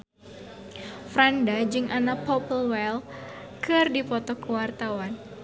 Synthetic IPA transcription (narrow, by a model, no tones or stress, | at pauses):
fɾandad͡ʒɨŋʔanapɔpəlwɛl | kɨrdipɔt̪ɔkəwart̪awan